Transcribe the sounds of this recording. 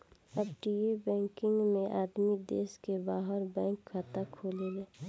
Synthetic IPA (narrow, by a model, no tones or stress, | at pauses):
əb̚ʈiebɛ̃ːŋkɪ̃ŋɡmẽʔaːd̪mid̪eːskebaːɦəɾbɛ̃ːŋkːat̪akʰoːleleː